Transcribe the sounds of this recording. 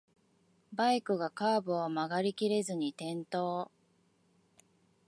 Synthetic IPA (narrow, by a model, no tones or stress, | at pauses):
baikɯ̟ɡakaːbɯ̟omaɡaɾʲikʲiɾe̞zɨɲ̟it̪ẽ̞nt̪o̞ː